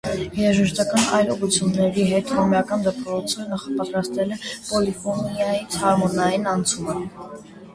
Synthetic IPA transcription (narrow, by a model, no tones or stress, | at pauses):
hɛɾɑʒəʃt̪ɑkɑnɑ̰jlɔʁut͡sʰjunːɛɾiɦɛt̪hɔmjɑkɑnd̪əpɾɔt͡sʰənɑχɑpɑt̪ɾɑst̪ɛlɛpɔlifɔnijɑjit͡sʰhɑɾmɔnɑjinɑnt͡sʰumə